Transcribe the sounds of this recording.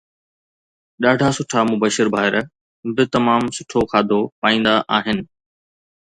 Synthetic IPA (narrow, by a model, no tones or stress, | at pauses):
ɗaːɖʱasʊʈʰamʊbəʃɪɾbʱaːɪɾə | bɪt̪ɐmaːmsʊʈʰokʰaːd̪ʱopaːĩːn̆d̪aʔaːɦɪnɪ̆